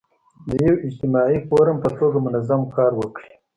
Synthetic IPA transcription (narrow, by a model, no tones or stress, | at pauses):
d̪əjawɪd͡ʒt̪ɪmɑipoɾampət̪oɡamʊnazamkɑːɾwəkɽi